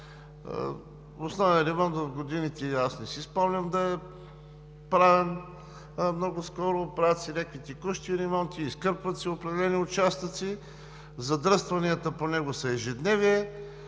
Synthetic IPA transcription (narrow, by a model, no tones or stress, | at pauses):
osnɔvɐɾɛmɔnt̪vɐvɡod̪init̪ɛasnɛsispɔmlʲəmd̪ɐɛ | pɾavɛn | mnɔɡʊskɔɾʊːpɛɾat̪siɾʲɛkit̪ɛkuʃt̪iːɾɛmɔnt̪iːskɤɾpvɐt̪siopɾɛd̪ɛlɛniʊt͡ʃast̪ət̪si | zɐd̪ɾɤst̪vɐniət̪əponɛɡosɐɛʒɛd̪nɛviɛ